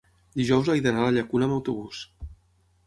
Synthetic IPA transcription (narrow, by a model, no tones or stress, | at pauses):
d̪iʒɔwzajðənaləʎəkunəːməwt̪uβ̞us